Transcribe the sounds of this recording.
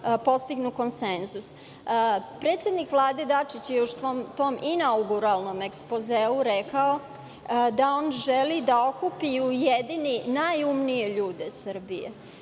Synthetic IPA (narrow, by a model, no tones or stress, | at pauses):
po̞st̪iɡnuko̞nsenzus | pɾet̪sje̞d̪nikʋlˠaːd̪e̞d̪at͡ʂit͡ɕjeɛuʃomt̪o̞ːmʔinauɡuɾalˠno̞mekspozeːuɾekao̞ | d̪ao̞nʒelid̪ao̞kupiujed̪ininajumnije̞ʎuːd̪esr̩bijḛ